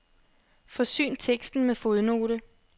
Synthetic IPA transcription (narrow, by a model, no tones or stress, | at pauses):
fɒ̽sy̰ːnt͡sʰeɡ̥sd̥n̩mefo̝ðˠno̝̰ːɾə